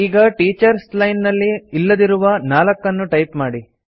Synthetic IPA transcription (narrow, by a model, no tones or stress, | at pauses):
iːɡɐʈiːt͡ʃɐɾslɐjnːɐlːiːlːɐd̪iɾuʋɐnaːlɐkːɐnːuʈɐjpmaːɽi